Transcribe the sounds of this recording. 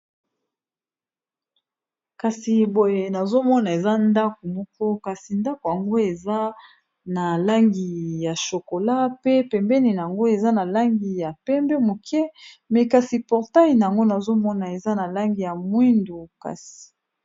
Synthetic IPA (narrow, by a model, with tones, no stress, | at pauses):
ka˨si˨bo˨je˨na˨zo˦mɔ˦na˨e˨za˦nda˦ko˨mɔ˦kɔ˦ka˨si˨nda˦ko˨ja˨ŋɡo˦e˨za˦ | na˨la˦ŋɡi˨ja˨ʃo˨ko˨la˦pe˦pɛ˨mbɛ˦ni˨na˨ja˨ŋɡo˦e˨za˦na˨la˦ŋɡi˨ja˨pɛ˦mbɛ˦mo˨kʰɛ˦mɛ˨ka˨si˨pɔ˨ʁta˦i˨na˨ja˨ŋɡo˦na˨zo˦mɔ˦na˨e˨za˦na˨la˦ŋɡi˨ja˨mwi˦ndu˨ka̰˨si̥˨